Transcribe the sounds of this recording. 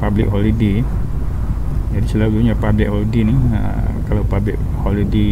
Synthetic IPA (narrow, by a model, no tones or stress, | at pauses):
pablɪk̚ɦɔlide | d͡ʒadisulauduɲapablik̚hɔlideniə̰kalawpablɪ̰k̚ | hɔlide